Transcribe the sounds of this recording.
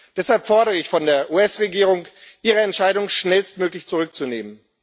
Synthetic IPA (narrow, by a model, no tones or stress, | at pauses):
d̥ɛshalpfɔɐɾəʁəɪçfɔndeːɐʔuːɛsʁeɡiːʁ̞ʊŋʔiːʁəɛntʃaɪɾʊŋʃnɛlstmøːklɪçt͡suʁʏk̚t͡suneːmən